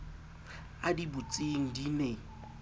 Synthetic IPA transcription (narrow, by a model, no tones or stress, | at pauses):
adibut͡sʼiŋ̩dine